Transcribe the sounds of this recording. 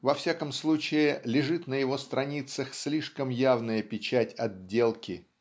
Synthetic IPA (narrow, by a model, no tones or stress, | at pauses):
vɐfsʲakəmslˠut͡ɕɪɪlʲɪʐɨt̪nəjɪvo̞st̪ɾɐnʲit̪səxslʲiʂkəmjavnəjəpʲɪt͡ɕætʲɐdʲːe̞lˠkʲɪ